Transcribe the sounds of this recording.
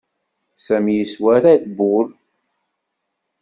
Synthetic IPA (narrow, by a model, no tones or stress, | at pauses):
sæmjəswæɾæðbʊl